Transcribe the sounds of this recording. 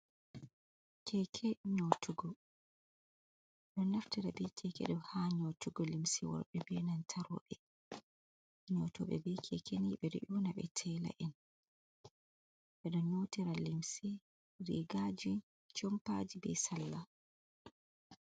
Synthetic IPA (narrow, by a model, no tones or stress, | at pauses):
kʰɛkʰɛɲotuɡɔ | ɗɔnːaftiɾabɛkʰɛkɛ̰ɗɔmhaɲotuɡɔlimsiwɔ̰ɾɓɛbɛnantʰaɾɔ̰ɓɛ | ɲɔtɔɓɛ̰bɛkʰɛkʰeniɓɛɾḭʔunaɓɛ̰tʰɛːla̰ʔɛn | ɓɛɗɔɲotiɾalimsi | ɾḭːɡad͡ʒi | t͡ʃɔmpa̰d͡ʒibɛ̰salːa